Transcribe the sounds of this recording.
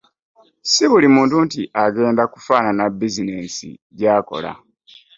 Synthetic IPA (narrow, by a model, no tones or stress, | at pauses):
siβulimuːntuntiʔaɡe̞ːndaku̥faːnanabizine̞ːsḭɟaːko̞̰la̰